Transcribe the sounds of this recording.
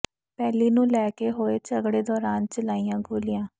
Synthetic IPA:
pɛːliːnũːlɛːkeɦoːeːt͡ʃəɡɽeːd̪ɔːɾaːnt͡ʃəlaːijãːɡʱoːlijãː

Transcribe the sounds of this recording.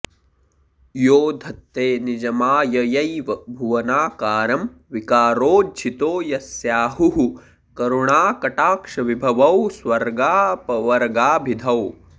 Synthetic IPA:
joːd̪ʱɐt̪ːeːnid͡ʒɐmaːjɐjɐjʋɐbʱuʋɐnaːkaːɾɐm | ʋikaːɾoːd͡ʒʰʱit̪oːjɐsjaːɦuɦu | kɐɾuɳaːkɐʈaːkʂɐʋibʱɐʋɐwswɐɾɡaːpɐʋɐɾɡaːbʱid̪ʱɐw

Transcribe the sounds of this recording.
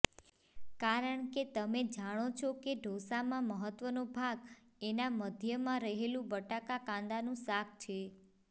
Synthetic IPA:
kaɾəɳket̪əmed͡ʒaɽ̃ot͡ʃʰokeɖʱosamãməɦət̪ːʋənobʱaɡ | enaməd̪ʱjəmãɾəɦelũbəʈakakãnd̪anũsakʰt͡ʃʰe

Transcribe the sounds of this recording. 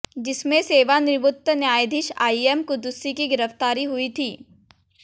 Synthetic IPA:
d͡ʒɪsmẽseːʋanɪɾbʊt̪ːənjaːjd̪ʱɪʃa̰ːiemkʊd̪ʊsːikiɡɪɾəft̪aːɾiɦuit̪ʰiː

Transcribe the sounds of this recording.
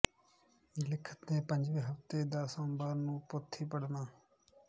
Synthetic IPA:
lɪkʰə̥t̪nẽːpə̃ɲd͡ʒʋĩːɦəft̪eːd̪aːsə̃mbaːɾnũːpʊt̪ʰːiːpəɽnaː

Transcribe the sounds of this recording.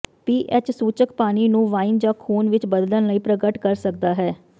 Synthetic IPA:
piːʔɛt͡ʃsuːt͡ʃəkpaːniːnũːʋaːind͡ʒãːkʰuːnʋɪt͡ʃbəd̪lənləiːpɾəɡəʈkəɾsək̚d̪aːɦɛː

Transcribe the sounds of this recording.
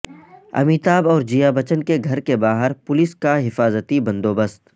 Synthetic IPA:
ɐ̰miːt̪aːbɔːɾd͡ʒijabɐt͡ʃənkeɡʱɐɾkebaːɦəɾpʊlɪskaɦɪfaːzət̪ibɐ̃nd̪oːbəst̪

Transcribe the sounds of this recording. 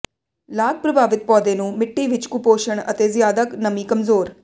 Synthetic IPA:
laːɡ̚pɾəbʱaːʋɪt̪̚pɔːd̪eːnũːmɪʈːiːʋɪt͡ʃkʊpoːʃəɳə̰t̪eːzɪjaːd̪aknəmiːkəmzoːɾ

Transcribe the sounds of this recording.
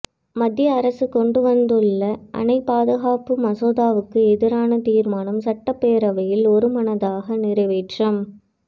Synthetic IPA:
mɐd̪jɐːɾɐsɯkɔɳɖɯʋɐnd̪ɯɭːɐʔɐ̰nɐɪpːaːðɐɣaːpɯmɐsoːðaːʋɯkːɯɛðɪɾaːnɐt̪iːɾmaːnɐmsɐʈːɐpːeːɾɐʋɐjɪlɔɾɯmɐnɐðaːɣɐnɪɾɐɪʋeːʈrɐm

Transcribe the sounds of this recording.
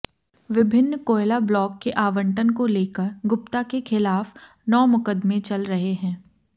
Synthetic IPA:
ʋɪbʱɪnːkoːɪlablɔːkːeʔaːʋə̃ɳʈənkoleːkəɾɡʊpt̪akexɪlaːf | nɔːmʊkəd̪mẽt͡ʃɐlɾɐɦeɦɛ̃ː

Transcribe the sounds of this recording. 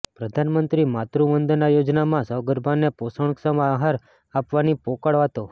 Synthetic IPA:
pɾəd̪ʱanmənt̪ɾimat̪ɾuʋənd̪najod͡ʒnamãsəɡəɾbʱaneposəɽ̃ksəmaɦaɾ | apʋanipokaɭʋat̪o

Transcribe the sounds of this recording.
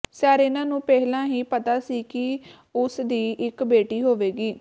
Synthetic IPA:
saːɾeɪnãːnũːpɛɦlãːɦiːpət̪aːsiːkɪ | ʊsd̪iːʔɪkbeːʈiːɦoːʋeːɡiː

